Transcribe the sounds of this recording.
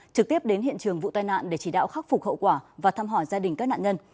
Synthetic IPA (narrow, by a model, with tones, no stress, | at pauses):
t͡ɕɨ˨k̚t̪i˦˥əp̚ɗe˨˦nhḭ˧˨ənt͡ɕɨ˨˩əŋvṵ˧˨t̪aː˧jna̰ː˧˨nɗe˧˩t͡ɕi˧˩ɗa̰ː˧˨wxa˦˥k̚fʊ˨˩k̚hə̰˧˨wkwaː˧˩vaː˨˩t̪ʰaː˧mɦɔ˧˩jzaː˧ɗï˨˩ŋ̟kaː˦˥k̚na̰ː˧˨ɲə˧n